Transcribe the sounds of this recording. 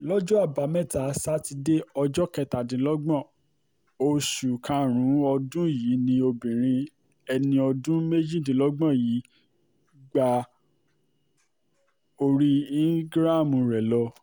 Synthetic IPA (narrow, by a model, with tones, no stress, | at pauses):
lɔ˦d͡ʒɔ˦a˦˨ba˨˦mɛ̃˦˨ta˨˦sa˦ti˧de˦ɔ˧d͡ʒɔ˦kɛ˧ta˨dĩ˨˦lɔ˦ɡ͡bɔ̃˦˨ | o˧ʃu˨kʰã˧˦ɾ̃ũ˨˦ɔ˧dũ˦jiː˨˦nĩ˧o˧bĩ˨ɾ̃ĩ˧ | ɛ˧nĩ˧ɔ˧dũ˦me˦d͡ʒĩ˦˨dĩ˨lɔ˦ɡ͡bɔ̃˦˨ji˨˦ | ɡ͡ba˧ | o˧ɾi˦i˦ɡɾa˦˨mũ˨˧˨ɾɛ˨lɔ˧